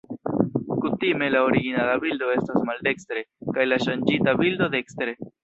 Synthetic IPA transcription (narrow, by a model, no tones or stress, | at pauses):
kutime̞laoɾiɡinalabildo̞e̞stasmalde̞kstɾe̞kajlaʃand͡ʒitabildo̞de̞kstɾe̞